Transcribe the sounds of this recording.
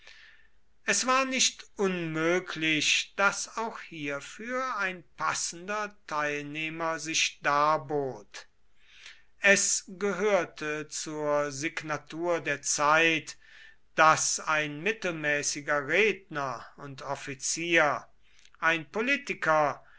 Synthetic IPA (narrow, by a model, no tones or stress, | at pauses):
ʔɛsv̥aːɐnɪʃtʔʊnmøːkʰlɪʃd̥asaʊxhiːɐfyːɐaɪnpʰasn̩dɐtʰaɪlneːmɐzɪʃd̥aːɐboːt | ʔɛsɡəɦøːɐtʰət͡suːɐzɪɡnatuːɐdeːɐt͡saɪt | d̥asaɪnmɪtl̩mɛːsɪɡɐʁeːdnɐʊntɔfit͡siːɐ | ʔaɪnpoliːtɪkɐ